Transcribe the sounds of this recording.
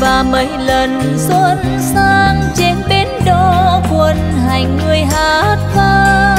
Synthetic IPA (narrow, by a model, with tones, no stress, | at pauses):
vaː˨˩mə˨˧˦jlə˨˩nzə˧˦t̚ | saː˧ŋt͡ɕe˧˦nɓe˨˧˦nɗɔ˨˧˦kwə˧˩nɦa˨˩jŋ̟ːɨ˧˩əjɦaː˨˧˦t̚t̪ʰaː˧